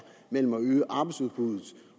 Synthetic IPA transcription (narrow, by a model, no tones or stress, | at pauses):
mel̰m̩æøːəʔɑ̈ːb̥ɑ̈ɪsuðˠb̥uðˠð̩ˠ